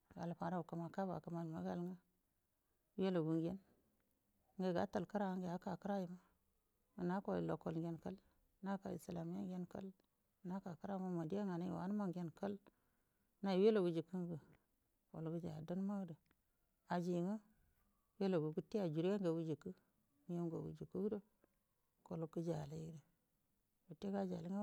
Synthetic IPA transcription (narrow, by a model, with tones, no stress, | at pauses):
ɡa̰˨lpa˨ɾa˦u˨ka˨ma˨ka˦ba̰˨ka˨ma˨lma˨˦ɡa˨lŋə˦ | we˦lo˨ɡu˨ŋɡe˦n | ŋɡe˨ɡa̰˨˦ta˨lka˦ɾa˦˨˦ŋɡe˨ja˨˦ka˨kə˦ɾa˦ji˨ma˦ | u˨na˦ko̰˨lo˨ko˨lɡʲe˦nkə˦l | na˦ka̰˨ḭ˨sla˨m˦ja˦ŋɡe˦nkə̰˦l | na˦ka˨kə˦ɾa˦ma˦ma˨di˦a˦ŋa˨na̰˦˨a̰˨˦n˦ma˦ŋɡe˦nkə˦l | na˨we˦lo˨ɡu˨d͡ʒi˨ku˦ŋ˦ɡə˨ | ko̰˨lɡu˦d͡ʒa̰˨də˦n˦ma˦ɡdə˨ | a˨d͡ʒi˨ŋə˦ | we˦lo˨ɡu˨ɡu˦ti˦a˨d͡ʒu˨ɾje˦ŋɡa˨wu˦d͡ʒi˨kə˦ | mi˦je˦ŋɡa̰˨wṵ˨d͡ʒi˨ku˦do˦ | ko˨lu˦kːə˦d͡ʒa˨le˦i˦de˨ | wu˨tːe˦ɡa˦d͡ʒa˨li˦ŋa˦